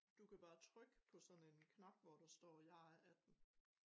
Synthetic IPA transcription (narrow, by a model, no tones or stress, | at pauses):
d̥ukʰæb̥ɑ̈ːt͡sʰʁœɡ̥pʰɒ̽sɒ̽ne̝nkʰnɑ̈b̥ʋɒɾ̥ɑsd̥ɒ̰ːjɑ̈æd̥n̩